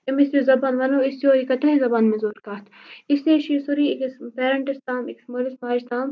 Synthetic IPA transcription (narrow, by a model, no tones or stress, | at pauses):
emɪsɾizɐbaːnʋɐloːɪsjoːikɐt̪ɐizɐbaːnmẽzoːɾkaːt̪ʰɪseːʃiːsuɾiɪkspeːɾɐɳʈɐst̪aːmɪksmolɐsmaːist̪aːm